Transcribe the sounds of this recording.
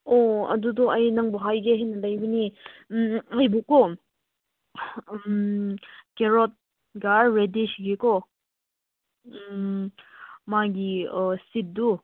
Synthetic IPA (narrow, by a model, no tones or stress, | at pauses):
ɔɐ̰dudɔʔɐjnaŋbɔɦajɡeɦenɐlɐjbɐni | ajbukːɔ | keɾɔt̚ | ɡaɾːedisɡekɔ | maɡisit̚du